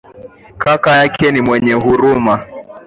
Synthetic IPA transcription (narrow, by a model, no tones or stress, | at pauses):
kakajakʰɛnimwɛɲɛɦuɾuma